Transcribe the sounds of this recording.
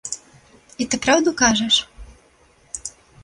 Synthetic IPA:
it̪ɨpɾawd̪ukaʐɛʂ

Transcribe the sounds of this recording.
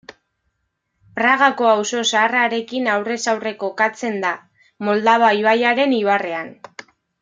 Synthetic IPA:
pɾaɣako̞awso̞saːraɾe̞kinawre̞sawre̞ko̞kat͡se̞nd̪a | mo̞ld̪aβajuajaɾe̞niβare̞an

